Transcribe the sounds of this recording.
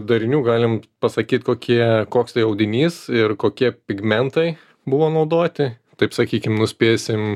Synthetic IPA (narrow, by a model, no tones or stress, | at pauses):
d̪ɐɾʲɪnʲuːɡɑːlʲɪmpɐsɐkʲiːt̪koːkʲʰiɛkoːkst̪ɐɪɐʊd̪ʲɪnʲiːsɪrkoːkʲiɛpʲɪɡmʲɛnt̪ɐɪ | bʊʋoːnɐʊd̪oːt̪ʲɪ | t̪ɐɪpsɐkʲiːkʲɪmnʊsʲpʲeːsʲɪm